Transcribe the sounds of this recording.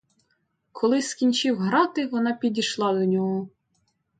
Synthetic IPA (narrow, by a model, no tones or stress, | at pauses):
kʰɔlˠɪskʲinʲt͡ʃɪwɦɾɑt̪ɪʋɔnɑpʲidʲiʃlˠɑd̪ɔnʲɔɦɔ